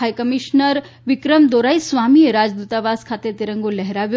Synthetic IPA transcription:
ajkəmiʃnəɾ | ʋikɾəmd̪oɾajsʋamiɾad͡ʑd̪ut̪aʋaskʰat̪et̪iɾəŋɡolɛɦɾaʋjo

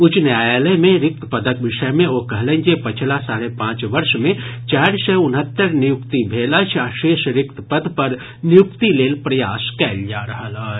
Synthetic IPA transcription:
ʊt͡ʃnaːjaləjmẽɾɪk̚t̪ʰpəd̪əkʋɪʃəjmẽokɐɦlẽnd͡ʒepət͡ʃʰlasaːɾepãːt͡ʃʋɐɾʃmẽt͡ʃaːɾsɛʊnɦət̪ːəɾnɪjʊkt̪ibʱeːlət͡ʃʰaːʃeːʃɾɪkt̪pəd̪pəɾ | nɪjʊkt̪ileːlpɾəjaːskɛːld͡ʒaːɾɐɦəlɦə

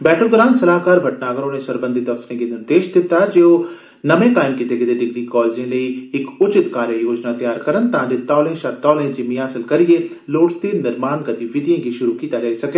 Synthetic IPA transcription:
bɛːʈʰok̚d̪ɔːɾaːnsɐlaːɦkaːɾbʱɐʈnaːɡəɾõnesɐɾbə̃nd̪ʱit̪ɐsnẽkenɪɾd̪eːʃd̪ɪt̪ad͡ʒeːo | nɐmẽkaːɪmkit̪eɡed̪eɖɪɡɾikɔːled͡ʒẽlɐiɪkʊt͡ʃɪt̪kaːɾjəjoːd͡ʒnat̪ɐjaːɾkɐɾənt̪ɐɦãːd͡ʒet̪ɔːlẽʃat̪ɔːlẽd͡ʒemijaːsɪlkɐɾie | loːʈt̪iːnɐɾmaːnkɐt̪iʋɪd̪ʱijẽɡiʃʊɾukiːt̪aɾɐɦisɐke

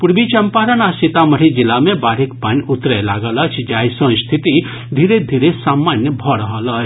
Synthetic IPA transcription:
puɾbit͡ʃɐmpaɾənasit̪aməɾid͡ʒilamẽbaɾikpanʲut̪ɾəlaɡələt͡ʃʰd͡ʒajsə̃st̪ʰit̪i | d̪ʱiɾed̪ʱiɾesamːanjəbʱɔɾəɦələt͡ʃʰ

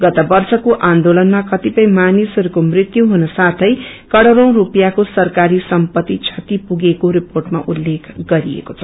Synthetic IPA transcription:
ɡʌt̪ʌbʌrsʌkoʔãnd̪olʌnmakʌt̪ipʌjmanisʌɾukomrit̪juɦunʌsat̪ʰʌj | kʌɽʌɾʌ̃w̃ɾupjakosʌrkaɾisʌmpʌt̪ːit͡sʰʌt̪ipuɡekoɾiporʈma̰ʔulːekʰɡʌɾiḛkot͡sʰʌ̥

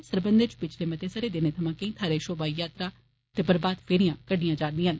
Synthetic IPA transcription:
səɾbənd̪et͡ʃpɪt͡ʃʰlemɐt̪esəɾed̪ɪnet̪ʰɐmãːkẽĩːt̪ʰaːɾeʃoːbaːijaːt̪ɾa | t̪eːbəɾbaːd̪fʰeːɾijãːkəɖijãd͡ʒaːɾd̪iːɦən

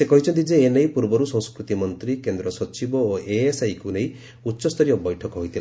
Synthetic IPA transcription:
sekɔɦit͡ʃʰɔnt̪id͡ʒeːnejpuɾbɔɾusɔ̃skɾut̪imɔnt̪ɾikend̪ɾɔsɔt͡ʃibɔoʔeesajkuneĩ | utːʃɔst̪ʰɔɾijɔbɔjʈʰɔkɔɦojt̪ʰila

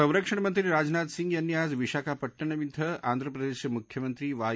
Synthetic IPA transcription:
ɐ̃w̃ɾɐkʂɐɳɐmɐnt̪ɾiɾaːd͡ʒnaːt̪siŋɡɐnjaːzʋiʃaːkaːpɐʈːɐɳɐʋit̪ʰɐaːnd̪ʱɾɐpɾɐd̪eːʃmukʰjɐmɐnt̪ɾiʋaː

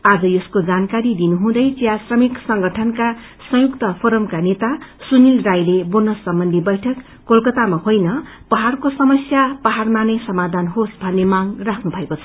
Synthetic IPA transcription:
ad͡zʌjʌskod͡zankaɾid̪inuɦũd̪ʌjt͡sijasrʌmiksʌŋɡʌʈʰʌnka | sʌ̃jukt̪ʌpʰoɾʌmkanet̪asunilrajleburnʌsʌmbʌnd̪ʱibʌjʈʰʌkːolkʌt̪amahojnʌ | pʌɦarkosʌmʌsjapʌɦarmanejsʌmad̪ʱanɦosbʱʌnːemaŋrakʰnubʱʌekot͡sʰʌ̥

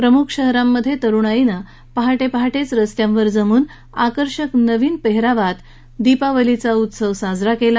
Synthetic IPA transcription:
pɾəmukʰɕəɦɾamːəd̪ʱːjet̪əɾuːɳ̃ainə | pəɦaʈepəɦaʈet͡sɾəst̪jãmʋəɾd͡zəmuːn | akəɾɕəknəʋiːnpeɦɾaʋat̪ | d̪ipaʋəlit͡saut̪səʋsad͡zɾakela

